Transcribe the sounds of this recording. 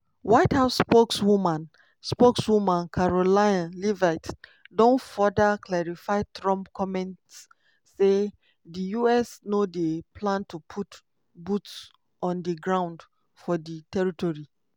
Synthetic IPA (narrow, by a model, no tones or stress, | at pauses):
waɪthaʊsːpokswumãn | spokswumãnkʰaɹolaɪãnlivatdõnfɔdəkʰlɛɹifaɪtɹɔ̃mpkʰɔmɛ̃ntsː | e | dijuɛsnodepʰlãntupʰut | buts | ɔ̃ndəɡɹãʊ̃nd | fɔditɛɹitɔɹi